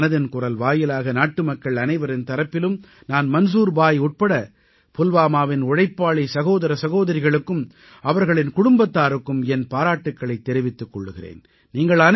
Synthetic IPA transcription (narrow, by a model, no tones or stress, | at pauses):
nɐðɪnkʊrɐlʋaːjɪlaːɣɐnaːʈːɯmɐkːɐɭɐnɐɪʋɐɾɪnt̪ɐɾɐpːɪlɯm | naːnmɐns̬uːɾbaːjʊʈ̚pɐɽɐ | pʊlʋaːmaːʋɪnʊɻɐɪpːaːɭisɐɣoːðɐɾɐsɐɣoːðɐɾɪɣɐɭɯkːɯm | ɐʋɐɾɣɐɭɪnkʊɽʊmbɐt̪ːaːɾɯkːɯmɛnpaːɾaːʈːɯkːɐɭɐɪt̪ːɛɾɪʋɪt̪ːɯkːɔɭːɯɣɪrḛːn | niːŋɡɐɭɐn